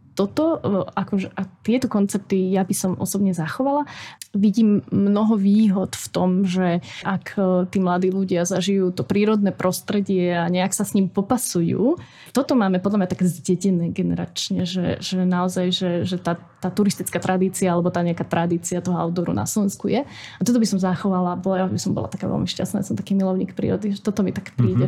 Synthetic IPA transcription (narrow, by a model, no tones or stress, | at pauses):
t̪ɔt̪ɔakɔʒɛʔat̪ɪɛt̪ɔkɔnt͡sɛp̚t̪ijabisɔmɔ̰sɔbɲɛzaxɔʋalaʋiɟiːmːnɔɦɔʋiːɦɔt̪ft̪ɔmʒɛʔakʰt̪iːmlad̪iːluɟɪazaʒijuːt̪ɔpɾiːɾɔd̪nɛːpɾʔɔst̪ɾɛɟɪɛaɲɛaksasɲimpɔpasujṵː | t̪ɔt̪ɔmaːmɛpɔd̪lamɲat̪akɛzɟɛɟinɛːɡɛnɛ̰ɾa̰t͡ʃɲɛʒɛ̰ʒɛnaɔzajʒɛʒɛt̪aː | t̪aːt̪uɾist̪it͡skaːt̪ɾʔad̪iːt͡siaalɛbɔt̪aːɲɛakaːt̪ɾʔad̪iːt͡siat̪ɔɦɔa̰ʊd̪ɔɾṵna̰slɔʋɛnskujɛ | at̪ɔt̪̬ɔbisɔmzaxɔʋalabɔljabisɔmbɔ̰la̰t̪akaːʋɛ̰lmiʃca̰stnaːjasɔmt̪akiːmilɔʊɲḭːkpɾḭːɾɔd̪iʒɛt̪ɔt̪ɔmit̪akpɾiːɟɛ